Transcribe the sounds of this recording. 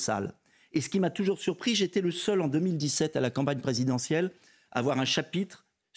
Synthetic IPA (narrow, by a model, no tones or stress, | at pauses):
sa̰l | esə̥kʲimat̪uʒuʁsyʁpχiʒet̪ɛləsœlɑ̃d̪ømild̪isɛt̪alakɑ̃paɲpχezid̪ɑ̃sjɛl | a̰vwaʁɛ̃ʃapit̪χ